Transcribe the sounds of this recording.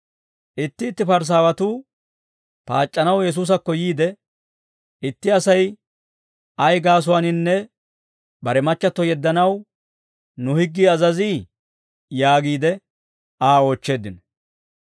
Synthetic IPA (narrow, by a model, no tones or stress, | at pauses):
ʔɪt̪ːɪːt̪ːɪpɐɾs̬aːwɐt̪uː | pa̰ːt͡ʃʼːɐnɐwjɛs̬uːs̬ɐkːɔjiːd̪ɛ | ɪt̪ːɪɐsɐj | ɐjɡaːs̬ʊwaːnɪnːɛ | bɐɾɛmɐt͡ʃːɐt̪ːɔjɛd̪ːɐnɐw | nʊhɪɡːiːɐzɐziː | jaːɡiːd̪ɛ | aːo̞ːt͡ʃːe̞ːd̪ːɪn